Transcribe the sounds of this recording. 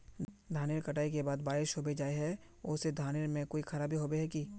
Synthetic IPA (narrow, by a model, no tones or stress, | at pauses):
d̪ʱaːnɪɾkɐʈaːikebaːd̪baːɪʃɦobed͡ʒaːeɦɛ | ʊsed̪ʱaːnɪɾmẽkoːixʰɐɾaːbʱiɦoːbeɦɛki